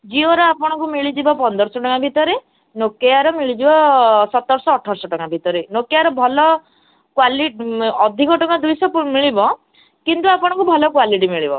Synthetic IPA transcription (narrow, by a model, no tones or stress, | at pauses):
d͡ʒioɾɔapɔɽ̃ɔŋkumiɭid͡ʒibɔpɔnd̪ɔɾsɔʈɔkabʱit̪ɔɾe | nokeaɾɔmiɭid͡ʒibɔsɔt̪ɔɾsɔːʈʰɔɾsɔʈɔkabʱit̪ɔɾenokeaɾɔbʱɔlɔ | kwaliʈɔd̪ʱikɔʈɔkad̪ujsɔpmiɭibɔ | kint̪uapɔɽ̃ɔŋkubʱɔlɔkwaliʈ̬imiɭibɔ